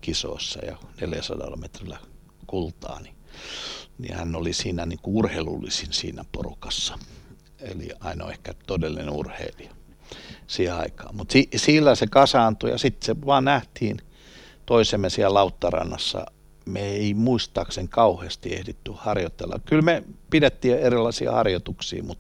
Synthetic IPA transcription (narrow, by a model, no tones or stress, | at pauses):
kiso̰ˑisːɑ̰jɑ̰neljæsɑdɑ̰lːɑmet̪rilæ | kult̪ɑ̰ːni | nḭhænːolisiːnæniŋkuurhelṵlːisinsḭːnæpo̰rukɑsːɑ̥ | ḛlḭɑino̰ehkæt̪odelːineurhḛiliɑ | siheɑ̰ikɑ̰ːmmut̪sisiːlːæsekɑsɑːnt̪ujɑ̰sit̪seʋɑːnnæht̪hiːn | t̪oisemːensiællɑut̪ːɑrɑ̰nːɑsːɑ̰ | meeimuist̪ɑːkseŋkɑuheːst̪iḛhdet̪ːyhɑrjot̪ːelːɑ̰kylmepidet̪ːiːerilːɑisḭːhɑrjot̪uksḭːmut̪